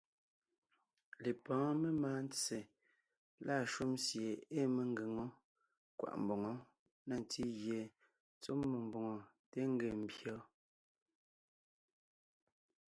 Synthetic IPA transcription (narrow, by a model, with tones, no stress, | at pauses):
le˨pɔ̃ː˨˦me˦maː˦n̩˦t͡se˨ | la˦˨ʃu˦msje˨e˦me˨ŋ˦ɡe˨ŋɔ˦ | kwa̰˨ʔm̩˨bɔ˨ŋɔ˨˦ | na˦˨n˨ti˦ɣje˨ | t͡so˦mːe˨m˨bɔ˨ŋɔ˨ | te˦ŋ̩˦ɡe˨m̩˨bjɔ˦